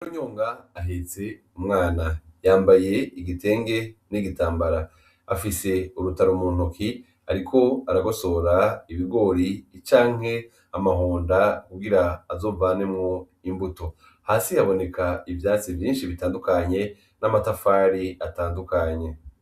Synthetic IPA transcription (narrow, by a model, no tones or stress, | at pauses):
koɲoːŋɡaːɦet͡se | umŋaːnajaːmbaje̞iɡite̞ːŋɡe̞niɡitaːmbaɾa | afise̞uɾutaɾomuːn̥oki | aɾikʰo̞aɾaɡo̞so̞ɾaiβiɡo̞ːɾit͡ʃaːŋhe̞ | amaɦoːndakuɡiɾaːzo̞ːvaːne̞mŋo | imbuto̞ | haːsihaβo̞ne̞kaivjaːt͡sivjiːnʃiβitaːndukaɲe̞ | namatafaɾiataːndukaɲe̞